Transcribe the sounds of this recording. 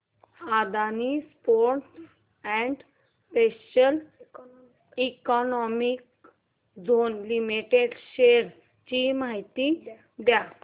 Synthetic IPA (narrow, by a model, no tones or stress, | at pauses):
ad̪anispoɾʈʈ | ɛ̃ɳɖ | speɕəl | ikɔnɔmik | d͡zonlimiʈeɖɕeɾ | t͡ɕimaɦit̪i | d̪ja